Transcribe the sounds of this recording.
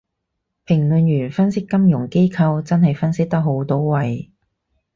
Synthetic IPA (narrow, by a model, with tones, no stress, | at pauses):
pʰɪ˨˩ŋlɵ˨˧njyː˨˩nfɐ˥nsɪ˥kːɐ˥mjʊ˨˩ŋke˥jkʰɐ˧wt͡sɐ˥nhɐ˨jfɐ˥nsɪ˥k̚t̪ɐ˥k̚ɦo˨˥wt̪o˥wwɐ˨j